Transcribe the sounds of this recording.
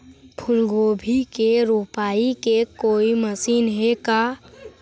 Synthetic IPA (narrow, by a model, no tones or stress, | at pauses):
pʰʊlɡoːbʱikeɾupaːikekoːiməsiːnɦeka